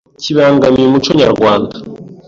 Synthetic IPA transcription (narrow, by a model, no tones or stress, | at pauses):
ciβaːŋɡamiemut͡ʃoɲa̰ɾɡwaːnda